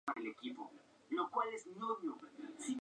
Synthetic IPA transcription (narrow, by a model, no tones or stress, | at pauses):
aelekipo̰ | lokwalesnoβjosi